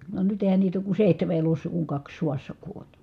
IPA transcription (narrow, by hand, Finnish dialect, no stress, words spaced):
ʋɑ nyt eˑi̯hæn niːt oːk ku seˑihteme elosˑɑ kuŋ kɑks suɑsːɑ kuolʲ